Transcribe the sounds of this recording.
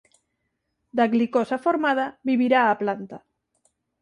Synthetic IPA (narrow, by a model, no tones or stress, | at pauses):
d̪aɣlikosafoɾmað̞aβiβiɾaːplant̪a